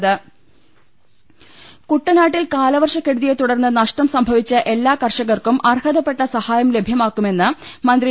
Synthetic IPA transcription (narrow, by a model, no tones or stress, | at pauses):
ðɨ | kuʈːɐnaːʈːilkaːlɐʋɐrʂɐkːeɽuðijet̪uɽɐrnːɨnɐʂʈɐmsɐmbʱɐʋit͡ɕːɨʔe̞lːaːkɐrʂɐɣɐrkumʔɐrhɐðɐpːeʈːɐsɐhaːjɐmle̞bʱjɐmaːkːume̞nːɨmɐnd̪ri